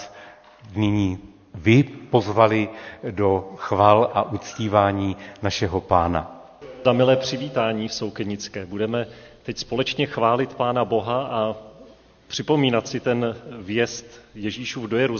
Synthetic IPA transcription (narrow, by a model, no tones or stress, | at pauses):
nɪɲiː | vɪpo̞zvalɪdo̞xvaːlʔaʔut͡sciːvaːɲiːnaʃɛɦo̞paːna̰ | zamɪlɛːpr̝̥ɪviːt̪aːɲiːfso̞wkɛɲɪt͡skɛːbudɛmɛ | t̪ɛcspo̞lɛt͡ʃɲɛxvaːlɪt̪paːnabo̞ɦaʔa | pr̝̥ɪpo̞miːnat̪sɪt̪ɛnvjɛst̪jɛʒiːʃuːvdojɛɾu